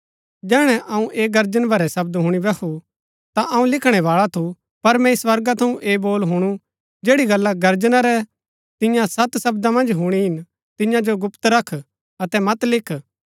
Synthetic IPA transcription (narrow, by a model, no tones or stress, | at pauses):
d͡ʒɛːɽ̃ɛʔɐũʔeːɡɐɾd͡ʒənbʱɐɾɛsɐb̚d̪ɦʊɽ̃ibɐkʰu | t̪aʔɐũlɪkʰɽ̃ɛʋaːɭat̪ʰu | pɐɾmɛ̃iswɐɾɡat̪ʰɐũʔeːboːlɦʊɽ̃u | d͡ʒeːɽiɡɐlːaɡɐɾd͡ʒnaɾɛ | t̪ɪ̃jãsɐt̪sɐbd̪amɐ̃nd͡ʒɦuɽ̃iɦɪn | t̪ɪ̃jãd͡ʒoɡʊpt̪ɾɐkʰ | ɐt̪ɛmɐt̪lɪkʰ